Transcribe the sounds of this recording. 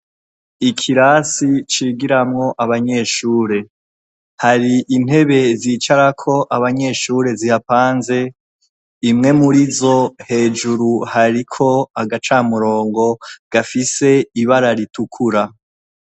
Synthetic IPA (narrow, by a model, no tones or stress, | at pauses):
ikʰiɾasit͡ʃiɡiɾamŋo̞ʔaβaɲe̞ːʃuːɾe̞ | haɾiʔin̥e̞βe̞ziːt͡ʃaɾakʰo̞ʔaβaɲe̞ːʃuːɾe̞zihapaːnze̞ | imŋe̞muɾizo̞he̞ːd͡ʒuɾuhaɾikʰo̞aɡat͡ʃamuɾo̞ːŋɡo̞ɡ̥afise̞iβaɾaɾitukʰuɾa